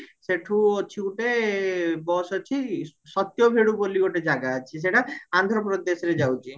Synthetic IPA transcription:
seʈʰũot͡ʃʰiuʈe | bɔsɔt͡ʃʰisɔt̪jɔbʱeɽubolioʈed͡ʒaɡaːt͡ʃʰis̬eʈaand̪ʱɾɔpɾɔd̪esɾed͡ʒawt͡ʃʰi

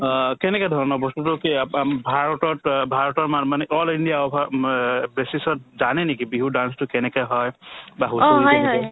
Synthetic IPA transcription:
kɛnɛkadʱɔɹɔnɔbɔstutukiabʱaɹɔtɔtbʱaɹɔtɔɹmanmanɛʔɔlindijaɔpʰabesisɔt̚zanɛnikibiɦudanstʊkɛnɛkaɦɔjbaɦuɦɔjɔ

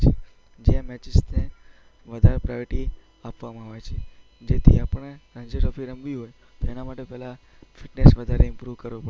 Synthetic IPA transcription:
t͡ʃʰe | d͡ʒeamɛt͡ʃɪsne | ʋəd̪ʱaɾepɾajɔɾʈi | apʋamãɦaʋet͡ʃʰe | d͡ʒet̪ʰiapəɳɾə̃ɲd͡ʒeʈəfʰiɾəmʋiɦoj | t̪oenamaʈepɛɦla | fiʈnesʋəd̪ʱaɾeɪmpɾuʋkəɾʋũpə

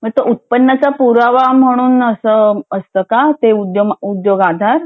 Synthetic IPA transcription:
m̤əɡet̪əut̪̚pənːət͡sapuɾaʋam̤əɽ̃uːnəsəəst̪əkat̪eud̪joud̪joɡad̪ʱaɾ

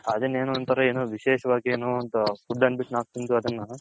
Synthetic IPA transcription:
ɐd̪eneːnuɐnt̪ɐɾɐeːnuʋiʃeːʃɐʋaːɡieːnoːɐnt̪ɐsuɖːɐnbiʈnaːk̚t̪ind̪uɐd̪ɐnːɐ

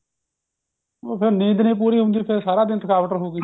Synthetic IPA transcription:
oːpʰɪɾniːd̪nĩːpuːɾiːɦʊ̃nd̪iːpʰɪɾsaːɾaːd̪ɪnt̪ʰəkaːʋəʈəɾɦoːɡiː

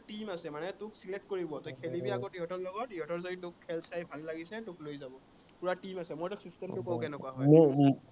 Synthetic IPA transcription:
timasɛmanɛtʊksilet̚koɹibɔtɔjkʰelibiakɔtiɦɔtʰɔɹlɔɡɔt̚iɦɔtɔɹzoditʊkʰːɛlsajbʱalːaɡisɛtʊklojzabɔ | puɹatimasɛmɔjtʊksustɛntʊkɔʊ̃kɛnɛkuaɦɔjmm

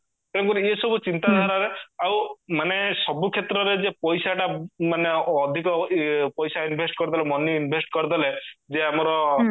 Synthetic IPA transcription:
t̪ẽkuɾiesɔbut͡ʃint̪ad̪ʱɔɾaɾeawmanesɔbukʰet̪ɾɔɾed͡ʒepɔjsaʈamaneːd̪ʱikɔpɔjsainbʱesʈkɔɾit̪d̪ʰʱalemɔniinbʱesʈkɔɾid̪ʱaled͡ʒeamɔɾɔ

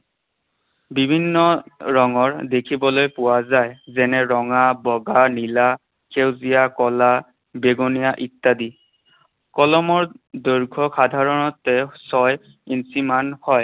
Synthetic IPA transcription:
bibʱinːɔɹɔŋɔɹdekʰibɔlojpʊwazajzɛnɛɹɔŋabɔɡanila | kewzijakɔla | beɡonijaʔitːadi | kɔlɔmɔɹdɔɹɡʱɔxad̪ʱaɹɔnɔtɛsɔj | insimanhɔj

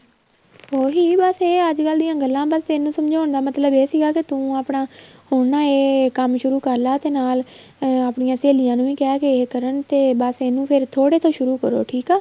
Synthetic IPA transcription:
oːɦiːbəseːəd͡ʒkəld̪ijãːɡəlːãːbəst̪eɪːnũːsəmd͡ʒaːʊɳd̪aːmət̪ləbeːsiːɡaːkɪt̪ũːaːpɳãːhʊɳnãːeːkəmʃʊɾuːkəɾlaːt̪eːnaːl | aːpɳɪjãːseːlɪjãːnũːiːkɛːkeeːkəɾəɳt̪eːbəseːnũːpʰɪɾt̪ʰoːɽeːt̪ʰoːʃʊɾuːkəɾo̰ːʈʰiːkaː

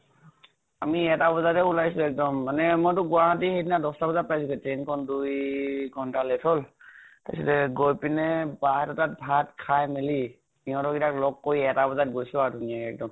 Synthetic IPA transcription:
amiɛtabɔzaɹɛulajsʊɛk̚dɔmːanɛmɔjtʊɡʊaɦatixedinadɔstabɔzat̚pajsukɔtɹenkʰɔndujɡʱɔntalɛtʰɔltasɔtɛɡojpinɛbaɦɛtɔtat̚bʱatkʰajmeli | niɔ̃tɔɡitaklɔkːoiɛtabɔzat̚ɡojsʊaɹdʱunijaɛk̚dɔm

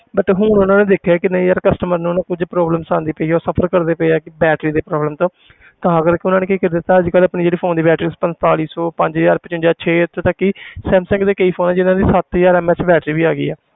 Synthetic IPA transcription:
bəʈɦʊnʊnãːneːd̪eːkʰːaːkɪnəĩːəɾkəsʈəməɾnũːnãːkʊd͡ʒpɾɔːbləmsãːnd̪iːpəiːoːsəpʰəɾkəɾd̪eːpɛiaːkɪbɛːʈɾiːd̪eːpɾɔːbləmt̪õː | t̪ãːəɡəɾkɪʊnãːneːkiːkɪɾd̪et̪ːaːəd͡ʒkələpnĩːd͡ʒeːɽiːpʰoːnd̪iːbɛːʈɾiːspənt̪aːliːsɔːpəɲd͡ʒjaːɾpət͡ʃʊnd͡ʒaːt͡ʃʰeːt̪ːt̪əkːiːsɛːmsə̃ŋkd̪eːkəiːpʰoːnaːd͡ʒɪnãːd̪iːsət̪jaːɾɛːmɛːt͡ʃbɛːʈɾiːbiːaːɡḭːɛː

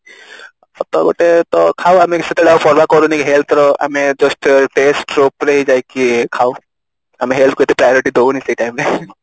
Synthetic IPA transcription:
ɔt̪ɔɡo̰ʈet̪ɔkʰawameset̪eɽaupʰɔɾbakɔɾunikiɦelt̪ʰɾɔa̰med͡ʒɔsʈʈesʈɾopɾeɦid͡ʒajkikʰau | ameɦelt̪̚ʰkot̪ipɾajɔɾiʈid̪ʱouniseʈajmɾe

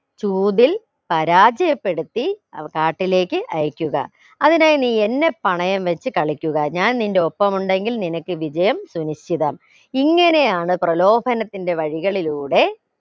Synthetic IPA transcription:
t͡ɕuːðil | pɐɾaːd͡ʑɐjɐpːe̞ɽut̪ːikaːʈːile̞ːkːɨʔɐjɐkʲːuɣɐ̰ | ɐðinaːjniːe̞nːe̞pːɐɳɐjɐmʋɐt͡ɕːɨkɐɭikʲːuɣɐɲaːnninde̞o̞pːɐmuɳɖe̞ŋɡilninɐkːɨʋid͡ʑɐjɐmsuniɕt͡ɕiðɐm | iŋːɐne̞jaːɳɨprɐlo̞ːbʱɐnɐt̪ːinde̞ʋɐɻiɣɐɭiluːɽe̞

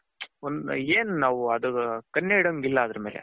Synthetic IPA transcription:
ond̪eːnnaːʋuɐd̪ukɐnːeiɽoŋɡilːɐɐd̪ɾɐme̞ːlḛ

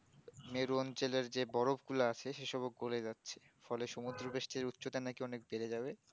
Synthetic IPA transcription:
meɾuɔnt͡ɕeleɾd͡ʑebɔɾobkulaat͡ɕʰeʃeʃɔbok̚ɡoled͡ʑatːɕʰe̥ | fɔleʃomud̪ɾobeʃʈʰiɾut̪ːɕot̪anakiɔnek̚beɾed͡ʑaβe

